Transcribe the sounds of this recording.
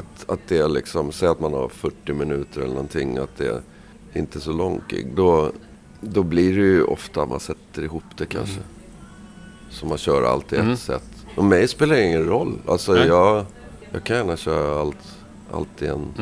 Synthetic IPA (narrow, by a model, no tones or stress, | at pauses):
at̪at̪̚d̪ɛæɭɪksɔmsɛjːat̪manha̰ɾfœʈːɪmɪnʉ̟ːt̪əɾɛlənɔnt̪ʰɪŋːat̪̚d̪ɛ̰ | ɪ̰nt̪əsɔlɔŋkɪ̰ɡd̪ɔ | d̪ɔbliɖɛjɵʔɔ̰ft̪at̪mʔa̰nsɛt̪ːəɾɪɦuːpd̪̥ɛkʰa̰nʂə | sɔmːanɕœːɾa̰a̰lt̪ɪɛt̪sɛ̰t̪ːɔmɛjspeːlaɾjɪŋːənɾɔlːa̰lsɔjɑː | jɑ̰ːkʰanjæːɳaɕœːɾaaalt̪ | ʔa̰lt̪ɪɛ̰n